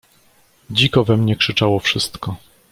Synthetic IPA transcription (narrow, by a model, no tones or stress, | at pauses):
d͡ʑikɔvɛmɲɛkʂɘt͡ʂawɔfʂɘst̪kɔ